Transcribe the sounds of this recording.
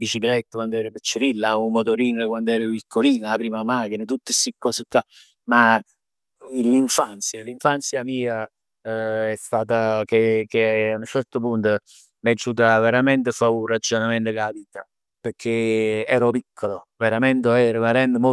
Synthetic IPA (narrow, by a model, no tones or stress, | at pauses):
bit͡ʃiklɛt̪ːakwand̪oɛːɾəpet͡ʃːeɾilːaummot̪oɾinəkwand̪ɛːɾepikʰːoliːnaapɾiːmamak̟inet̪ut̪ːesikːɔsɪt̪ːa | ma | liɱfant̪sjaliɱfant̪sjamiːa | ɛst̪aːt̪ak̟ek̟eaunt͡ʃɛrt̪opunt̪o | med͡ʒut̪̬aveɾament̪efaurad͡ʒonament̪okabiːt̪a | pekʰːeɛːɾopikʰːoloveɾament̪eɛrimaɾɛnd̪əmo